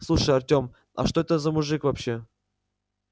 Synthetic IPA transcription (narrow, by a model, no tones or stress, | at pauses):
slˠuʂəjɐrtʲo̞m | ɐ̰ʂt̪o̞ɛt̪əzəmʊʐɨkvɐpɕːe̞